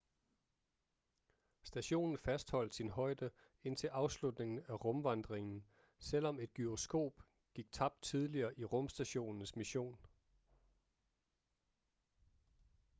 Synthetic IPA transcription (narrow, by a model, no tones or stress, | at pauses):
sd̥æɕo̝̰ːnn̩fæsd̥hɒ̽l̰d̥sinɦɒ̽ɪd̥ə | e̝n̰t͡sʰe̝lʔɑ̈ʊslud̥ne̝ŋn̩æʁɔ̽mʋɑ̈nd̥ʁeŋn̩ | sel̰ɒ̽me̝d̥̚ɡ̥yosɡ̥o̝̰ːb̥ | ɡ̥iɡ̥̚t͡sʰɑ̈b̥̚d̥t͡sʰið̞ˠliɐːʔiʁɔ̽msd̥æɕo̝̰ːnn̩smiɕo̝̰ːn